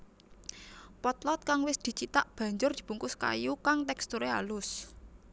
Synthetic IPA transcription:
pɔt̪lɔt̪̚kaŋwɪsd̪̥i̤t͡ʃit̪aʔb̥ä̤ɲd͡ʒʊrd̪̥i̤b̥ṳŋkʊska̰jukaŋt̪ɛkst̪uɾealʊs

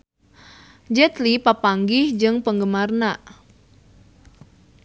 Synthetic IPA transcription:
d͡ʒɛt̪lipapaŋɡɪhd͡ʒɨŋpəŋɡəmarnaʔ

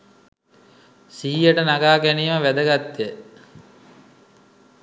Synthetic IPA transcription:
siɦijəʈənaɡaːɡæniːməʋæd̪əɡat̪ːje

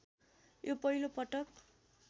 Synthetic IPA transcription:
jʔopʌɦilopʌʈʌk

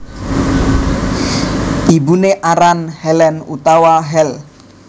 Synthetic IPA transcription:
ʔibuneʔaɾanhɛlɛnṵt̪awaɦɛl

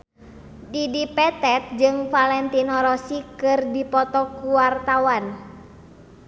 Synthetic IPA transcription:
didipɛt̪ɛt̪̚d͡ʒɨŋfalɛnt̪inɔɾɔsikɨrdipɔt̪ɔkuwart̪awan

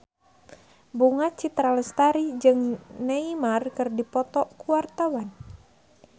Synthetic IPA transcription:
buŋat͡ʃit̪ɾaləst̪aɾid͡ʒɨŋnɛimarkɨrdipɔt̪ɔkuwart̪awan

